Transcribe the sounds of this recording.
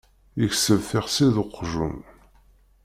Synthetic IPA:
jəçsəvθɪʁsiðʊqːʒṵm

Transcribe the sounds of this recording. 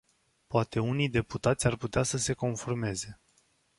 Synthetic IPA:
poat̪e̞unijd̪e̞put̪at̪sʲarput̪easəse̞ko̞nforme̞ze̞

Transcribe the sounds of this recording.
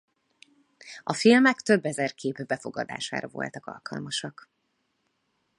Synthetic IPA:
ɒfilmɛkt̪ø̞bːɛzɛrkʰeːbbɛfo̞ɡɒd̪a̰ːʃa̰ːɾɒvo̞̰lt̪ɒkɒ̰lkʰɒlmɒʃɒk

